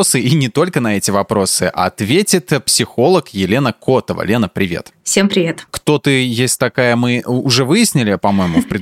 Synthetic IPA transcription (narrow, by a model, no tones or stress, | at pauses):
sɨinʲɪt̪o̞lʲkənɐɛtʲɪvɐpɾo̞sɨʔɐ̰t̪vʲetʲɪt̪psʲɪxo̞lˠəkjɪlʲe̞nəkʰo̞t̪əvə̰lʲe̞nəpɾʲɪvʲḛt̪fsʲempɾʲɪvʲet̪kt̪o̞t̪ɨjesʲtʲt̪ɐkajəmɨʊʐɛvɨjɪsʲnʲɪlʲɪpɐmo̞jɪmʊfpɾʲɪd̪